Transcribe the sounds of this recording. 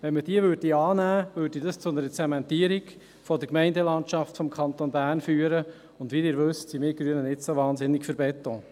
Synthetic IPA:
ʋɛnməd̥iəʋøːɾd̚diɑːnæːʋøːdidɑst͡sʊnəɾət͡sɛmɛntiːəɾiɡ | fɔdəɾkmɛɪndɛlɑntʃɑftfɔmkʰɑnt̪onbæːɾnfyːəɾə | ʊndʋiːdɪːɾʋɵstsimɪːɡɾyənənɪtsoʋɑːnzɪnːɪkfəɾbɛt̪oː

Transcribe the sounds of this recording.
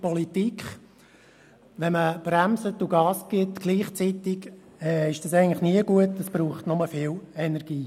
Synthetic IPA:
pɔlitikχ | ʋɛnməb̥ræmsətuɡɑːsɡɪtɡ̥liːχt͡sitɪɡ | ɛːɪʃd̥ɑsɛɪɡŋn̩tlɪχniəɡ̥uətːəsb̥ɾuːχtnʊməfɪlɛnɛɾɡ̥iː

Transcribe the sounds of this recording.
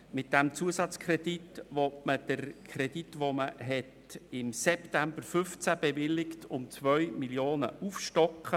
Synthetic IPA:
mɪt̚d̥æmt͡suəsɑt͡skʰɾɛditʋɔtməd̥əɾkʰɾɛd̥itʋoməɦɛt | ɪmsɛptæmbəɾfʏft͡sæb̥ɛvɪlːɪktʰʊmt͡sʋœɥmiljoːnə̰ufʃtɔkχə

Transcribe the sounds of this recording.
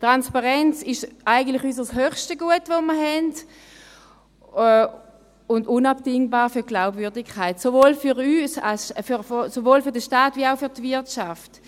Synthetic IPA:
tʁanspaʁɛnt͡sɪʃaɪɡən̩tlɪχys̬əshøχʃtəɡuətvoməɐɦɛnd | ʊndʊnapdɪŋbaːʁfyɐɡ̥laʊbvʏɐdɪkʰːaɪtsovoːlfyʁyːsalsfysovoːlfʏɐdəʃtaːtviaʊfyɐtvɪɐtʃaft

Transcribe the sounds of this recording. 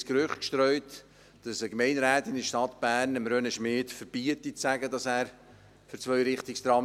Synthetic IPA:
skɾʏχtkʃtɾœʏt | d̥ɑsəkmɛɪnɾæːt̪ɪndəʃtɑtb̥æːɾnəmɾøːnəʃmɪːtfəɾb̥iətit͡sæɡədɑsæːɾ | fʏɾt͡svœʏɾɪχtikst̪ɾɑ

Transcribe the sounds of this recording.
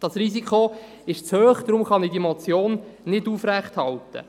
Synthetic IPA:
d̥ɑsrisikʰo | ɪʃt͡shøːχd̥̪ɾʊmχɑnidimot͡sjoːnnɪduːfræχthɑlt̪ə̰

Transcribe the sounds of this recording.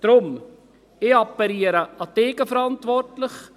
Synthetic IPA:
d̥ɾʊm | ɪɑpːɛliːəɾəɑteːɡ̥əfəɾɑntvɔrtlɪχ

